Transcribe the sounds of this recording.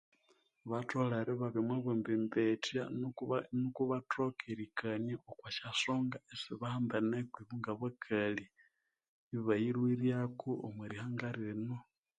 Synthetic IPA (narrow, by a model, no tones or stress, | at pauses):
βatolaɾiβaβimwaβumbimbetjanukuβatʰokʰiɾikʰaɲaokwaʃasoŋɡaesiβahaːmbanekwiβuŋɡaβakʰali | βajiɾwiɾjakʰoo̰mweɾihaŋɡaɾino